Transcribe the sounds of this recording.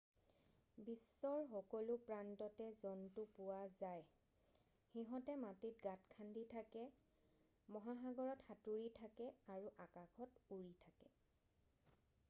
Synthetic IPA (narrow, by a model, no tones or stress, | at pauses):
bisːɔɹxɔkɔlʊpɹantɔtɛzɔntʊpʊwazaj | xiɦɔtɛmatit̚ɡatkʰanditʰakɛ | mɔɦaɦaɡɔɹɔtxatuɹitʰakɛaɹuʔakakʰɔtuɹitʰakɛ